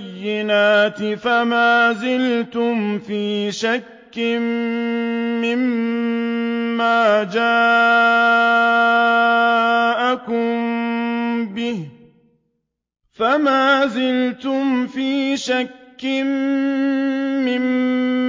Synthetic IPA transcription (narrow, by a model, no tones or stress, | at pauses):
jːɪnaːt̪ɪfamaːzɪlt̪ʊmfiːʃakːɪnː | ɪm | aːd͡ʒaː | ʔakʊm | bɪh | famaːzɪlt̪ʊmfiːʃakːɪn | ɪm